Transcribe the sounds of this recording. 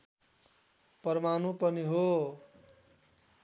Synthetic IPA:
pʌɾmanupʌniɦo

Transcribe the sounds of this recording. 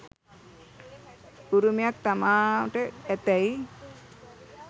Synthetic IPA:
uɾumjak̚t̪amaʈəɛt̪əj

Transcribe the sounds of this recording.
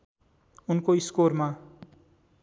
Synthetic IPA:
unkoiskorma

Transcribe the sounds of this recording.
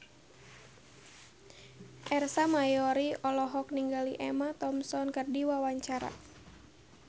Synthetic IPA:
ʔɛrsamajɔɾiʔɔlɔɦɔk̚niŋɡaliʔɛmat̪ɔmsɔnkərdiwawaɲt͡ʃaɾa̰

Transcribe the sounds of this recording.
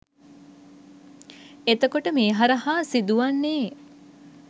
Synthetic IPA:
et̪əkoʈəmeːɦaɾəɦaːsid̪uʋanːeː

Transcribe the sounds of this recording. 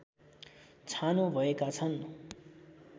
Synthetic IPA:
t͡sʰanobʱʌekat͡sʰʌn

